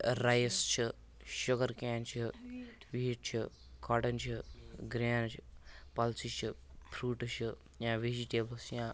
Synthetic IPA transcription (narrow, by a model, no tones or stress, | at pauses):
ɾajst͡ʃʰi | ʃʊɡəɾkaːnt͡ʃʰi | ʋiːiʈ̚t͡ʃʰi | kaːʈɐnt͡ʃʰiɡɾaːnt͡ʃʰipɐlsit͡ʃʰipʰɾuːʈt͡ʃʰi | jãːʋeːd͡ʒiʈeːbəlsjãː